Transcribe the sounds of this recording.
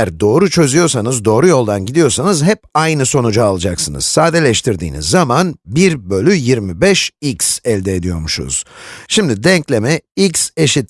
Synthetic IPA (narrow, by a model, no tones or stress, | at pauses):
æɾd̪o̞ːɾut͡ʃʰø̞zyjo̞ɾsanɯzd̪o̞ːɾujo̞lˠd̪anɟid̪ijo̞ɾsanɯzɦɛp̚ajnɯso̞nud͡ʒaalˠad͡ʒaksɯnɯ̰z̥saːd̪elʲɛʃt̪ʰiɾd̪ḭːnḭzːamanbiɾbø̞lʲyjiɾmibɛʃicsɛlʲd̪eːd̪ijo̞ɾmuʃṵz̥ʃimd̪id̪ɛɲclʲe̞mɛicse̞ʃit̪